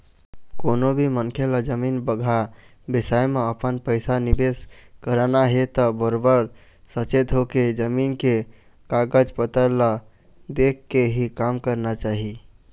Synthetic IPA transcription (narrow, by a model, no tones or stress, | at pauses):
konobʱimənkʰeləd͡ʒəminbəɡʱa | bisajmeəpənpəɪsanibeskəɾanaɦet̪əbəɾobəɾ | sət͡ʃet̪ɦoked͡ʒəminke | kaɡəd͡ʒpət̪əla | d̪ekːeɦikamkəɾnat͡ʃaɦi